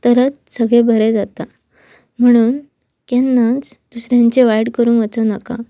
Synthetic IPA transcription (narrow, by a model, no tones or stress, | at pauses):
t̪əɾət͡ssəɡɭẽbʱəɾɛd͡zat̪a | m̤əɽ̃uːn | kɛnːat͡sd̪̥usɾjãɲt͡ɕeʋajɽkəɾuːnət͡sənaka̰